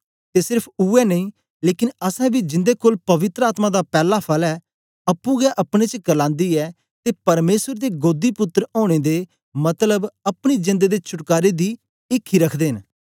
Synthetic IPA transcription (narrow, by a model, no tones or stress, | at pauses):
t̪esɪɾpʰuːɛnəĩː | leːkɪnəsɛ̃ːbiːd͡ʒɪ̃nd̪ekoːlpɐʋɪt̪ɾəaːt̪mãːd̪aːpɛːlapʰɐlɛː | ɐpːũɡɛʔɐpɽ̃et͡ʃəkəlãːnd̪iːɛː | t̪eːpɐɾmeːsəɾd̪eɡoːd̪ipʊt̪ːɾoːɽ̃eːd̪e | mɐt̪ləbɐpɽ̃id͡ʒɪ̃nd̪ed̪eːt͡ʃʰʊʈkaːɾed̪iː | ɪkʰːiɾəkʰd̪eːɦɪn